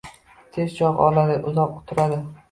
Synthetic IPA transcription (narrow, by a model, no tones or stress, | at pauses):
t̪ʰe̞zt͡ʃʰɒqɒ̰lad̪ɪʔʊzɒqʊ̥t̪ʰʊɾad̪ɪ